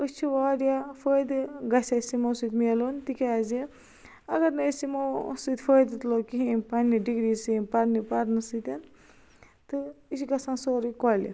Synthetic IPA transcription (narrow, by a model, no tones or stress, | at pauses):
ɨst͡ʃʰiʋaːɾjafojd̪ɨɡɐsasimosut̪melont̪ikazi | ɐɡɐɾnɐsimosɨt̪fʰojd̪ɨt̪lokiɦĩpɐniɖiɡɾisipɐɾnipɐɾnɨsɨt̪ʲɐn | t̪ɨit͡ʃiɡɐsãːnsoːɾɨkolḭ